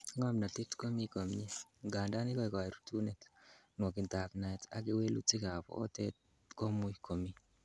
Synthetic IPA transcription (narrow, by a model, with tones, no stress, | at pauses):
ŋɔ˦mna˨ti˦tko˦mi˦ko˨mɲi˦ɡa˨nda˦nɪ˦kɔ˦e˨kɔ˨ɾutu˦ne˨tnwɔ˨kɪ˨nta˨pna˨ɪta̰˨ɡɪ˦we˦lṵ˦tɪ˦ka˨pɔ̰ː˨˦te˦t̚ | ko˦mʊ˦ikʰo˨mi˦